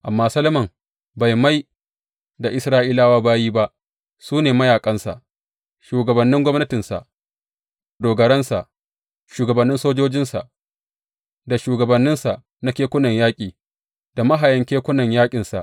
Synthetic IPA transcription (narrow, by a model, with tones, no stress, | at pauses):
ʔa˨mːaː˦sɐ˦lɐ˦mɐ˨m | ba˨jma˦j | da˨ʔɪ˦sɾaː˦ʔiː˦laː˦waː˦baː˦jiː˦ba˦ʔ | suː˦neː˨mɐ˦jaː˨kʼɐ˦nsa̰˨ʔ | ʃuː˨ɡɐ˨bɐ˨nːɪ˦ŋɡʷɔ˦mnɐ˦tɪ˨nsa̰˨ʔ | doː˨ɡɐ˨ɽɛ˦nsa̰˨ʔ | ʃuː˨ɡɐ˨bɐ˨nːɪ˦nsoː˦d͡ʒoː˦d͡ʒɪ˦nsa̰˨ʔ | da˨ʃuː˨ɡɐ˨bɐ˨nːɪ˦nsa˨ʔ | na˦kʲeː˦kʷʊ˦nɐ˨ɲjaː˦kʲʼiː˨ | d̥a˨ma˦ɦa˨jɐ˦ŋkʲeː˦kʷʊ˦nɐ˨ɲjaː˦kʲʼɪ˨nsa̰˨ʔ